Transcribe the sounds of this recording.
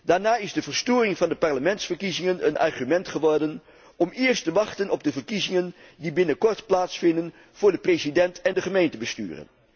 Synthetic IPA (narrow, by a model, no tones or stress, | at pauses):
d̥aːɹnaːɪzdəvəɹstoːrɪŋvɑndəpɑɹləmɛntsfəɹkizɪŋənənɑ̰ɹχymɛntχəʋɔɹdən | ɔmɪːɹstəʋɑχtənɔb̚dəvəɹkizɪŋəndibɪnəkɔɹtplaːtsfɪndən | v̥ʊːɹdəprezidɛntɛndəχəmejntəbəsty̰ːrə̰n